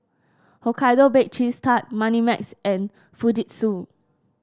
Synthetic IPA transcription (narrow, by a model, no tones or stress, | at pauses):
hokʰajdobek̚t͡ʃistʰat̚mãnimɛksʔɛ̃n | fudit̚su